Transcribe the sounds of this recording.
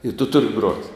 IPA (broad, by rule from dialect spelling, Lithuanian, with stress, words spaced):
ɪ tʊ ˈtʊrʲɪ ɡroːtʲ